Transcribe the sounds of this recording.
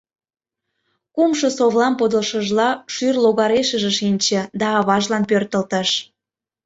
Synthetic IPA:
kumʃosoβlɑmpod̪əlʃə̆ʒlɑʃyrloɣɑɾeʃəʒĕʃinʲt͡ɕĕd̪ɑːβɑʒlɑnpørt̪əlt̪əʃ

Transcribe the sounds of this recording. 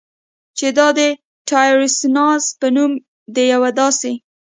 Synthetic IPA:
t͡ʃed̪ɑd̪ə | ʈɑjoɾɪsnɑzpənum | d̪əjawad̪ɑse

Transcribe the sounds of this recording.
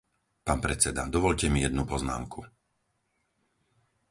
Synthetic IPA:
paːnpɾɛt͡sɛd̪ad̪ɔʋɔʎcɛmijɛd̪nupɔzna̰ːmkʰu

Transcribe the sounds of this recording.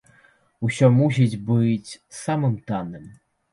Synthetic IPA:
usʲɔmus̬ʲid͡zʲbɨt͡sʲsamɨmt̪anɨm

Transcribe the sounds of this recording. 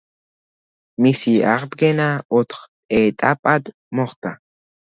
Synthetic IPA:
misia̰χt̪ɡenaot̪χ | et̪ʼapʼad̪ | moχt̪a̰

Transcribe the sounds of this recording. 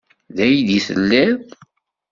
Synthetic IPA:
ðæjd̪iθə̰lːæð

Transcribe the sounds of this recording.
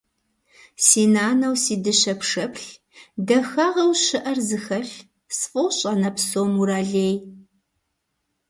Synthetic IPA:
siːnaːnɐwsiːdɨɕɐpʂɐpʰɬ | dɐxaːʁɐwɕɨʔɐrzɨxɐɬ | sfʼowɕʼɐnɐpsoːmuɾaːɮeːj

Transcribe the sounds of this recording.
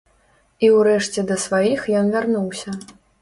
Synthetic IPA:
iwɾɛʂt͡sʲɛd̪ɐsvajixjɔnvʲarnuwsʲɐ

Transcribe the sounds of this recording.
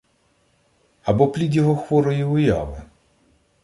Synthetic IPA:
ɐbɔplʲid̪ʲjɔɦɔxʋɔɾɔjiʊjɑ̰wʊ

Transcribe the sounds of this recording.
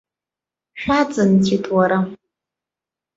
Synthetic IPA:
ʃʷᶣat͡sʼɨntʰitʼwaɾa

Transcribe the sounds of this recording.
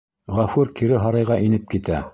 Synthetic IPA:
ʁɑfʉɾkiɾɘɦɑɾɑjʁɑʔinɘp̚kit̪æ

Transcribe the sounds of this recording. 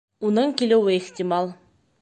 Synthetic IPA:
unɤɴkʲilɘ̆wɘeχtʲimɑlˠ

